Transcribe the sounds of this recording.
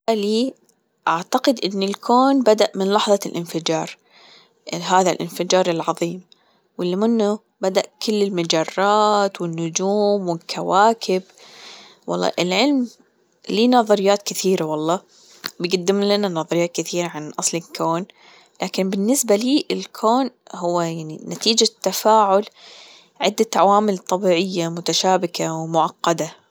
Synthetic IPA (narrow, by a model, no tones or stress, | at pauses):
aliː | ʔaʕt̪aqɪd̪ʔɪnːɪlkʰoːnbad̪aʔmɪnlɑħðˤɑlʔɪnfɪd͡ʒɑːɾˤ | ɦaːðalʔɪ̰nfɪd͡ʒɑːɾˤɪlʕɑðˤiːm | wɪlːimɪnːʊ | bad̪aʔkʰʊlːɪlmad͡ʒɑrˤːɑːt̪wɪnːʊd͡ʒuːmwɪlkʰawaːkʰɪb | wɑ̰lˤːɑ̰ːʔɪlʕɪlm | liːnɑðˤɑɾɪjːaːt̪kɪθiːɾawɑlˤːɑː | bɪɡad̪ːɪmlananɑðˤɑɾɪjːaːt̪̚kɪθiːɾaʕanʔɑsˤlɪkʰoːn | laːkɪnbɪnːɪsbaliːʔɪlkʰoːnhʊwːajaʕninat̪iːd͡ʒat̪ːafaːʕʊl | ʕɪd̪ːat̪ʕa̰waːmɪlt̪ˤːɑbiːʕɪjːamʊt̪aʃaːbɪkawmʊʕɑqːɑd̪a